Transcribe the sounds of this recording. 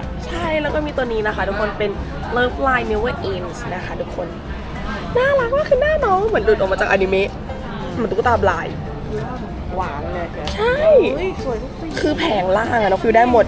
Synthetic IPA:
t͡ɕʰa˥˩jlɛː˦˥wkɔː˥˩miː˧t̪u˧niː˦˥na˦kʰa˥˩t̪ʰu˦˥kʰo˧npe˧n | lɤː˥˩p̚laː˧jni˧˦weː˧˩ʔe˧nsna˦˥kʰa˦˥˩t̪ʰu˦˥kʰːo˧n | naː˥˩ɾa˦˥k̚waː˥˩kʰɯː˧naː˥˩nɔː˧˥ŋmɯ˩˦ndu˨˩t̪ʔmaː˧t͡ɕa˨˩k̚ʔa˧ni˧me˦˥ʔ | m˨˦t̪ʰu˦˥˩t̪aː˧mlaː˧j | waː˧˩ŋn˧˩˧t͡ɕʰa˥˩jjsu˨˩˦jt̪kʰɯː˧pʰɛː˩˦ŋlaː˥˩ŋʔa˨˩nɔ˦˥k̚ʰwiː˧daː˥˩jmo˨˩t̪̚

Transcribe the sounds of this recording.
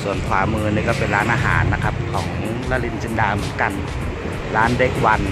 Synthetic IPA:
su˨˩ənkʰwaː˨˧˦mɯː˧niː˧˩kɔː˥˩pe˨nlaː˦˥nʔaː˧ɦa̰ː˩˦nːa˧kʰa˦˥p̚kʰɔː˩˦ŋmɯ˧˦˥ŋlaː˧˥li˧˥nt͡ɕi˧ndaː˧mɯ˨˩˦ə˦nka˨n | laː˦˥nde˦˧˩k̚wa˧n

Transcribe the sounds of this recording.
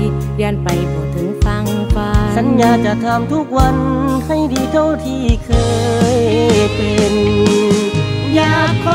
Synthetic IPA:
i˧˩ | li˧npa˨˩jkɔː˨˧˩t̪ʰɯ˨˦ŋfa˧˩ŋfaː˧˩sa˨˦njaː˧t͡ɕa˧˩t̪ʰa˧mt̪ʰu˦˥˩k̚wa˧nha˧˩jdiː˧t̪ʰo˧˩˨t̪ʰiː˧˩kʰɤː˧jpe˧n | jaː˧˩ɔ˧

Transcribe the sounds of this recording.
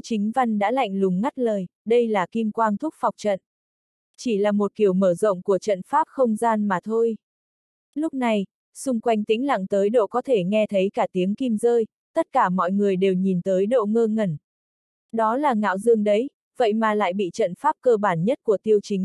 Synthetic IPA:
t͡ɕï˨˦ŋ̟va˧nɗa̰ː˧˥la̰˧˨jŋ̟lʊ˨˩ŋ͡mŋa˦˥t̚ləː˨˩jɗə˧jlaː˨˩ki˧mkwaː˧nt̪ʰʊ˦˥k͡p̚fa˨˩wk͡p̚t͡ɕə̰˧˨n | t͡ɕi˧˩laː˨˩mo˨˩t̚ki˨˩əwməː˧˩zo̰˧˨ŋ͡mku˧˩ət͡ɕə̰˧˨nfaː˦˥p̚xə˧wŋ͡mzaː˧nmaː˨˩t̪ʰo˧j | lʊ˦˥k͡p̚na˨˩j | sʊ˧ŋ͡mkwa˧jŋ̟t̪ḭ̈˧˥ŋ̟la̰˧˨ŋt̪əː˨˦jɗo̰˧˨kɔ˨˦t̪ʰe˧˩ŋɛ˧t̪ʰə˨˦jkaː˧˩t̪i˨˦əmki˧mzəː˧j | t̪ə˦˥t̚kaː˧˩mɔ̰˧˨jŋɨ˨˩əjɗe˨˩wɲi˨˩nt̪əː˨˦jɗo̰˧˨ŋəː˧ŋə˨˩n | ɗɔ˨˦laː˨˩ŋa̰ː˧˨wzɨ˧əŋɗə˨˦j | və̰˧˨jmaː˨˩la̰ː˧˨jɓḭ˧˨t͡ɕə̰˧˨nfaː˦˥p̚kəː˧ɓaː˧˩nɲə˦˥t̚ku˧˩ət̪i˧əwt͡ɕï˨˦ŋ̟

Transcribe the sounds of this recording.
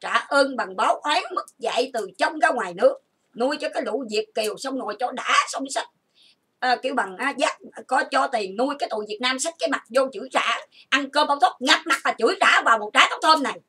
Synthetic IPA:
t͡ɕaː˧˩ʔəː˧ŋɓa˨˩ŋɓa˨˦wʔa˨˦mɨ˦˥k̚za̰˧˨jt̪ɨ˨˩t͡ɕə˧wŋ͡mkaː˨˦jŋwaː˨˩jnɨ̰˦˥ək̚ | nu˧əjt͡ɕɔ˧kaː˨˦jɗṵ˧˥vi˨˩ək̚ki˨˩əwsə˧wŋ͡mnṵ˧˨əjt͡ɕɔ˧ɗaː˧˥sə˧wŋ͡msa˦˥k̚ | ʔə˨˩ki˧əwɓa˨˩ŋʔaː˨˦zaː˦˥k̚kɔ˨˦t͡ɕɔ˧t̪i˨˩əŋnu˧əjkaː˨˦t̪ṵ˧˨jvi˨˩t̚naː˧msa˦˥t̟̚kaː˨˦jma˨˩t̚zo˧t͡ɕɨ̰˧˩˦jza̰ː˧˩˥ | ʔa˧nkəː˧mɓa˧˦wt̪ʰo˦˥t̚ŋa˨˩t̚ma˨˩vaː˨˩t͡ɕɨ̰˧˩˦jzaː˧˩vaː˨˩wmo˨˩t̚ɗaː˨˦t̪ɔ˨˦wŋ͡mt̪ʰəː˧mna˨˩j

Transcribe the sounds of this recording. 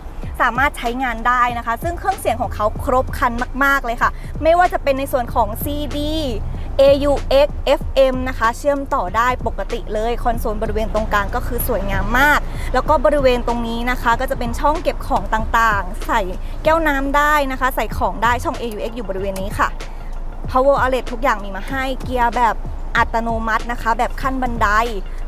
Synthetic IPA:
saː˨˩˦maː˥˩t̪̚t͡ɕʰa˦˥jŋaː˧ndaː˥˩jna˦˥kʰa˦˥sɯ˥˩ŋkʰɯ˥˩əŋsi˨˩˦ŋkʰɔː˩˦ŋkʰa˦˥wkʰɾo˦˥p̚kʰa˧nmaː˥˩k̚maː˥˩k̚lɤː˧jkʰa˥˩ | ma˥˩jwaː˥˩t͡ɕa˨˩pe˧nːa˧jsu˨˩ənkʰɔː˩˦ŋsiː˧diː˧˩ | ʔeː˧juː˧ʔe˦˥k̚ʔe˦˥f̚ʔe˧mna˦˥kʰa˦˥t͡ɕʰɯ˥˩əmt̪ɔː˨˩daː˥˩jpo˨˩kːa˧t̪ḭ˨˩lɤː˧jkʰɔ˧nsoː˨˩˦nbɔ˧ɾi˦˥weː˧nt̪o˧ŋkaː˧nkɔː˥˩kʰɯː˧su˨˩˦jŋaː˧mːaː˥˩k̚lɛː˦˥wkɔː˥˩bɔː˧ɾi˦˥weː˧nt̪o˧ŋniː˦˥na˦˥kʰa˦˥kɔː˥˩t͡ɕa˨˩pe˧nt͡ɕʰɔ˥˩ŋke˨˩p̚kʰɔː˩˦ŋt̪aː˨˩ŋt̪aː˨˩ŋsa˨˩j | kɛː˥˩wnaː˦˥mdaː˥˩jna˦˥kʰa˦˥sa˨˩jkʰɔː˩˦ŋdaː˥˩jt͡ɕʰɔ˥˩ŋʔeː˧juː˧ʔe˦˥k̚juː˨˩bɔː˧ɾi˦weː˧nːiː˦˥kʰa̰˥˩ | pʰɔ˦˥woː˧ʔaː˧le˨˩t̪ʰːu˦˥k̚jaː˨˩ŋmiː˧maː˧ha˥˩jki˧ɐbɛː˨˩p̚ | ʔa˨˩t̪ːa˧noː˧ma˦˥t̪̚na˦˥kʰa˦˥bɛː˨˩p̚kʰa˥˩nba˧nda˧j

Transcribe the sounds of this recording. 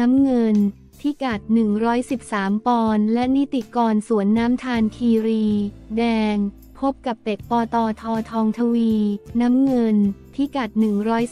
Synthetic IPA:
a˦˥mŋɤ˧n | t̪ʰiː˥˩ka˨˩t̪̚nɯ˨˩ŋɾɔː˦˥jsi˨˩p̚saː˩˦mpɔː˧nlɛ˦˥ʔni˦˥t̪i˨˩kɔː˧nsu˩˦ənːaː˦˥mt̪ʰaː˧nkʰiː˧ɾiː˧dɛː˧ŋ | pʰo˦˥p̚ka˨˩p̚ːe˨˩k̚pɔː˧t̪ɔː˧t̪ʰɔː˧t̪ʰɔː˧ŋt̪ʰa˧wiː˧naː˦˥mŋɤ˧nt̪ʰiː˥˩ka˨˩t̪̚nɯ˨˩ŋɾɔː˦˥j

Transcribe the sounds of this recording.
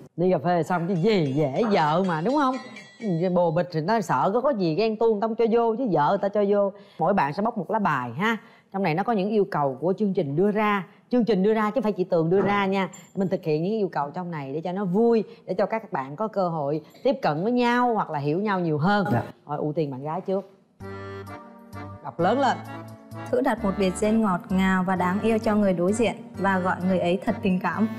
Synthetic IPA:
ɗi˧ɣa˨˩p̚fe˧sa˧wŋ͡mt͡ɕɨ˧˦zi˨˩ze˧˥zə̰ː˧˨maː˨˩ɗʊ˨˦ŋ͡mhə˧wŋ͡m | ɓo˨˩ɓï˨˩k̟̚t̪ʰi˨˩nɔ˨˦sə̰ː˧˨kɔ˨˦kɔ˨˦zi˨˩ɣɛ˧nt̪u˧ənt̪ə˧wŋ͡mt͡ɕɔ˧zo˧t͡ɕɨ˨˦zə̰ː˧˨t̪a̰ː˧˦t͡ɕɔ˧zo˧mo̰˧˥jɓa̰ː˧˨nsɛ̰˧˥ɓə˦˥wk͡p̚mo˨˩t̚laː˨˦˥ɓaː˨˩jɦaː˨˦ | t͡ɕɔ˧wna˨˩jnɔ˨˦kɔ˨˦ɲɨ̰˧˥ŋʔi˧əwkə˨˩wku˧˩ət͡ɕɨ˧əŋt͡ɕï˨˩ŋ̟ɗɨ˧əzaː˧ | t͡ɕɨ˧əŋt͡ɕï˨˩ŋ̟ɗɨ˧əzaː˧t͡ɕa˧˦faː˧˩jt͡ɕi˧˩t̪ɨ˨˩əŋɗɨ˧əzaː˧ɲaː˧˩mï˨˩ŋ̟t̪ʰɨ˨˩k̚hḭ˧˨ənɨ̰˧˥kːʔi˧wkə˨˩wt͡ɕɔ˧wŋ͡mna˨˩jɗe˧˩t͡ɕɔ˧nɔ˨˦vu˧jɗe˧˩t͡ɕɔ˧kaː˦˥kːaː˦˥k̚ɓa̰ː˧˨nkɔ˨˦kəː˧ɦo̰˧˨jt̪i˦˥əp̚kə̰˧˨nvəː˨˦jɲa˧whwa˨˩k̚laː˨˩ɦi˧˩əwɲa˧wɲi˨˩əwɦəː˧nkɔ̰˧˩jʔṵ˧˩t̪i˨˩əŋɓa̰ː˧˨ɣaː˨˦jt͡ɕɨ˦˥ək̚ | ɗa˨˩wk͡p̚ləː˨˦nlə̰ː˧˨nt̪ʰɨ̰˧˥ɗa˨˩t̚mo˨˩t̚ɓi˨˩ət̚ze˧nŋɔ˨˩t̚ŋaː˨˩wvaː˨˩ɗaː˨˦ŋʔi˧əwt͡ɕɔ˧ŋɨ˨˩əjɗo˨˦jzḭ˧˨ənvaː˨˩ɣɔ̰˧˨jŋɨ˨˩əjʔə˨˦jt̪ʰə˨˩t̚t̪ï˨˩ŋ̟kaː˧˩m

